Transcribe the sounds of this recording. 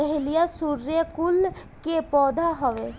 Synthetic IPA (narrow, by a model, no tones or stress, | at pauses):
ɛɦɪlijasuɾjəkʊl | kepɔːd̪ʱaɦɔʋe